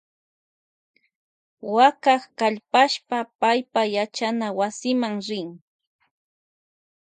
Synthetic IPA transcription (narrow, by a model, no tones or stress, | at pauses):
wakaχkaʎpaʃpapajpajat͡ʃanawasɪmaŋɾɪŋ